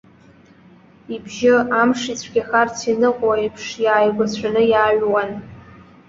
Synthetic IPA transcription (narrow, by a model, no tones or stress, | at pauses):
ibʒɪamʂit͡sʷʰɡʲaxartʰinɨqʼwaipʰʂjaːjɡʷat͡ɕʷʰanɨjaːɥwan